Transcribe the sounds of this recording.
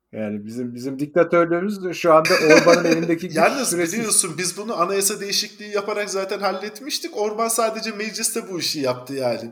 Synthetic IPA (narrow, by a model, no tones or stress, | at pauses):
jaːnibizimbizimd̪ic̚t̪ʰat̪ʰøɾlʲeɾimizʃuand̪aʔoɾmanɯnelʲind̪ecʰijæɾnayɾelʲijo̞sunbizbunuanajasad̪ejiʃiclʲiːjapʰaɾakzaːt̪ʰænhalʲːɛt̪miʃt̪ʰico̞ɾmansaːd̪e̞d͡ʒɛmed͡ʒlʲist̪ʰɛbuiʃijapt̪ʰɯjaːnɪ